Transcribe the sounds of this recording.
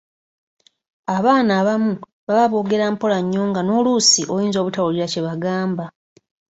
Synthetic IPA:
aβaːnaːβamu | βaβaβo̞ːɡe̞ɾaːmpo̞laɲːo̞ːŋɡano̞ːlusiʔojiːnzo̞ːβutawuliɾace̞βaɡaːmba

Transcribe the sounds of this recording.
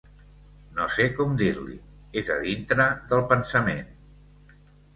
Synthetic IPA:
nosekɔmd̪iɾlḭ | ezəðint̪ɾəðəlˠpənsəmen

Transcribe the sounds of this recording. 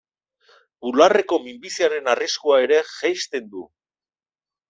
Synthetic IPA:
bulare̞ko̞mimbisiaɾe̞nariskuae̞ɾe̞ʝajst̪e̞nd̪u

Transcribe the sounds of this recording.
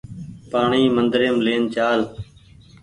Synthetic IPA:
paːɳiːmənd̪ɾejəmleːnt͡ʃaːl

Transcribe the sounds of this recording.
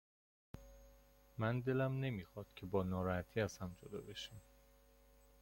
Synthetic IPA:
mænd̪e̞læmne̞miːxɒːd̪̥cʲʰe̞bɒːnɒːɾɒːhæt̪ʰiːæz̥hæmd͡ʒod̪ɒ̰ːbe̞ʃiːm

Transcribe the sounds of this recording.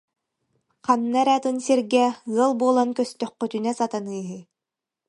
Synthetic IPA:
qanːaɛɾæt̪ɯnsiɾɡɛɣɯlˠbuɔːlˠankœst̪œχːœt̪ynɛsat̪anɯːɦɯ

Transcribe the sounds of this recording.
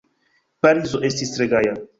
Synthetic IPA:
paɾizoʔest̪isɾeɡaja

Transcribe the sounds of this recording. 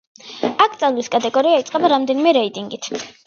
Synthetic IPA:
akʰt̪sʼanliskʼat̪ʼɛɡɔɾiait̪sʼqʼɛbaɾamd̪ɛnimɛɾɛit̪ʼiŋɡit̪ʰ

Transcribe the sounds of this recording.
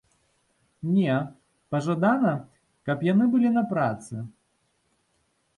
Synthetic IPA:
nʲɛ | pɐʐad̪anɐ | kɐpjanɨbɨlʲinɐpɾat̪sɨ

